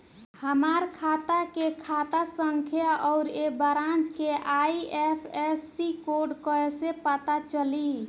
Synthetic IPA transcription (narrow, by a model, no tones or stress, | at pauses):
həmaɾkʰat̪akekʰat̪asəŋkʰjaʔɔʊɾebəɾãnd͡ʒkeʔaiepʰesːikoɖkəesepət̪at͡ʃəli